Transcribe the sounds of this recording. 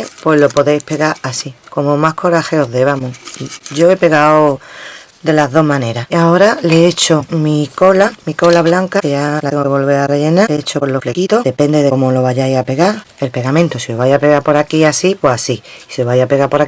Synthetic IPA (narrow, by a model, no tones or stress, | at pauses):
pwe̞lo̞po̞ðe̞jpe̞ɣaɾasiko̞momahkʰo̞ɾaxe̞oðe̞βamoɟ͡ʝo̞e̞pe̞ɣao | d̪e̞laðo̞ɦmãne̞ɾaaoɾaleet͡ʃomiko̞lamiko̞laβlaŋkaʝalaɣoβolβeare̞ʝe̞naeet͡ʃopolo̞flekit̪oðepe̞nd̪eðeomolo̞βaʝajape̞ɣa | e̞lpe̞ɣamẽnt̪osioβajape̞ɣapo̞ɾakiasipweasiːseβajape̞ɣapo̞ɾak